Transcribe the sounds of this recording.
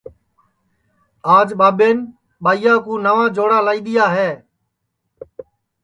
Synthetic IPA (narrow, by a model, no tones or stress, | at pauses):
aːd͡ʒɓaːɓeːn | ɓaːijaːkũːnəʋãːd͡ʒoːɽaːlaːiːɗ̪ɪjaːɦeː